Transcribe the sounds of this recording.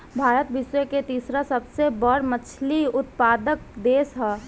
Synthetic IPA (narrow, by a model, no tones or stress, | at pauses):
bʱaːɾət̪bɪsweket̪iːsɾasəbsebəɽmət͡ʃʰliʊt̪̚paːd̪ək̚d̪eːsɦɛː